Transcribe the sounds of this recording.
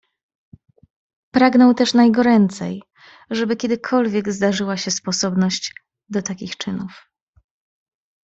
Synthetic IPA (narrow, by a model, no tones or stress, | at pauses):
pɾaɡnɔwt̪ɛʂnajɡɔɾɛnt̪sɛ̰j | ʐɛbɘkʲɛd̪ɘkʰɔlvʲjɛɡzd̪aʐɘwaɕɛspɔsɔbnɔɕt͡ɕ | d̪ɔt̪akʲixt͡ʂɘnuf